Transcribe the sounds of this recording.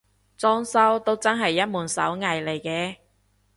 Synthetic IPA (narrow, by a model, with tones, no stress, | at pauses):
t͡sɔː˥ŋsɐ˥wt̪o˥wt͡sɐ˥nɦɐ˨jːɐ˥t̚muː˨˩nsɐ̰˨˥wŋɐ˨˩jle˨˩jkɛː˨˥